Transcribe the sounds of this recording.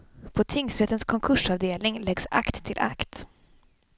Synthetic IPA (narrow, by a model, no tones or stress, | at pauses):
pʰɔt̪ʰɪŋsɾɛt̪ːənskʰɔŋkʰɵʂavd̪eːlnɪŋlɛɡsa̰kt̪ʰːɪlʔa̰kt̪